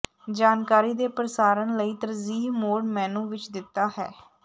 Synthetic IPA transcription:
d͡ʒaːnkaːɾiːd̪eːpɾəsaːɾənləiːt̪əɾziːmoːɖmɛ̃ːnũːʋɪt͡ʃd̪ɪt̪ːaːɦɛ̰ː

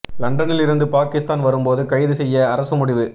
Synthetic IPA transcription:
lɐɳɖɐnɪlɪɾɯnd̪ɯpaːkɪst̪aːnʋɐɾɯmpoːðɯkɐjðɯsɛjːɐːɾɐsɯmʊɽɪʋɯ

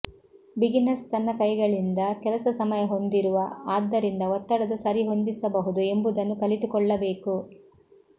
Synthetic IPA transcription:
biɡinɐst̪ɐnːɐkɐjɡɐɭind̪ɐkɛlɐsɐsɐmɐjɐɦo̞nd̪iɾuʋɐaːd̪ːɐɾind̪ɐɔt̪ːɐɽɐd̪ɐsɐɾiɦo̞nd̪isɐbɐɦud̪ue̞mbud̪ɐnːukɐlit̪ukɔɭːɐbe̞ːku

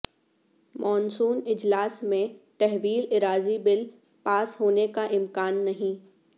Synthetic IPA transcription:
mʔɔːnsuːnɪd͡ʒlaːsmẽt̪ɛɦʋiːlɪɾaːzibɪl | paːsɦoːnekaʔɪmkaːnːɐɦĩ

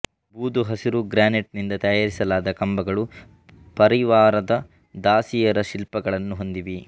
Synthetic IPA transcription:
buːd̪uɦɐsiɾuɡɾaːneʈ̚nind̪ɐt̪ɐjaːɾisɐlaːd̪ɐkɐmbɐɡɐɭu | pɐɾiʋaːɾɐd̪ɐ | d̪aːsijɐɾɐʃilpɐɡɐɭɐnːuɦo̞nd̪iʋi

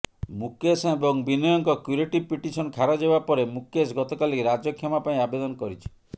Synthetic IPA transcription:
mukesebɔŋbinɔjɔŋkɔkjuɾeʈipiʈisɔnkʰaɾɔd͡ʒebapɔɾemukesɡɔt̪ɔkaliɾad͡ʒɔkʰjɔmapaĩabed̪ɔnɔkɔɾit͡ʃʰi̥

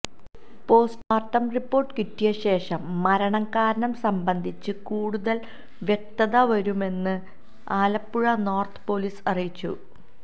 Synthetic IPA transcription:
po̞ːsʈaːrʈːɐmripːo̞ːrʈːɨkitːijɐɕe̞ːʂɐmːɐɾɐɳɐŋkaːɾɐnɐmsɐmbɐnd̪ʱit͡ɕːɨkuːɽuðɐl | ʋje̞k̚t̪ɐðɐʋɐɾume̞nːɨ | aːlɐpːuɻɐno̞ːrt̪ʰɨ̥po̞liːsɐrijit͡ɕːṵ

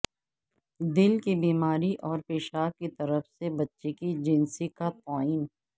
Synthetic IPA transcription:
d̪ɪlkibiːmaːɾiʔɔːɾpeːʃaːkkit̪ɐɾəfsebɐtːʃekid͡ʒɪnsikap̪aːin

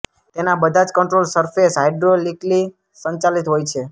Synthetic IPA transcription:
t̪enabəd̪ʱad͡ʒkəɳʈɾolsəɾfesɦajɖɾolikli | səɲt͡ʃalit̪ɦojt͡ʃʰe

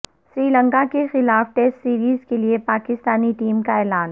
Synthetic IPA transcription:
sɾiːlə̃ŋkakexɪlaːfʈesʈsiːɾiːzkeliepaːkɪst̪aːniʈiːmkaɛːlaːn

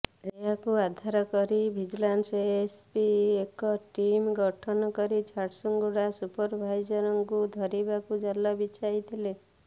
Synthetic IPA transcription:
eakuad̪ʱaɾɔkɔɾibʱid͡ʒlanseespiekɔʈimɡɔʈʰɔnɔkɔɾit͡ʃʰaɾʈsuŋɡuɽasupɔɾbʱajd͡ʒɔɾɔŋkud̪ʱɔɾibakud͡ʒalːɔbit͡ʃajt̪ʰile

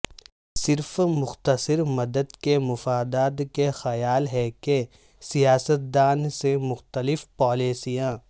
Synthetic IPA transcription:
sɪɾfmʊxt̪əsɪɾmɐd̪əd̪kemʊfaːd̪aːd̪kexɐjaːlɦɛke | sijaːsət̪̚d̪aːnsemʊxt̪əlɪfpaːleːsijãː

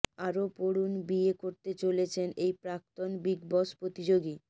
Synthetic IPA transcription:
aɾopoɽunbiekoɾt̪et͡ɕolet͡ɕʰenejpɾak̚t̪onbiɡbɔspɾot̪id͡ʑoɡi

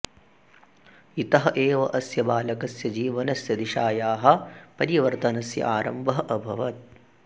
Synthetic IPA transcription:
it̪ɐɦɐʔeːʋɐʔɐsjɐbaːlɐkɐsjɐd͡ʒiːʋɐnɐsjɐd̪iʃaːjaːɦɐ̆pɐɾiʋɐɾt̪ɐnɐsjɐ̰ʔaːɾɐ̰mbɐɦɐʔɐbʱɐʋɐt̪̚

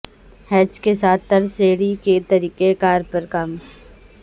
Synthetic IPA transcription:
hɛːt͡ʃkesaːt̪̚ʰːɐɾseːɽiket̪ɐɾiːkekaːɾpɐɾkaːm

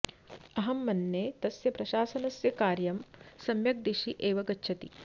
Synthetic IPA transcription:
ɐɦɐmːɐnːeːt̪ɐsjɐpɾɐʃaːsɐnɐsjɐkaːɾjɐmsɐmjɐk̚d̪iʃiʔeːʋɐɡɐtːʃʰɐt̪ḭ

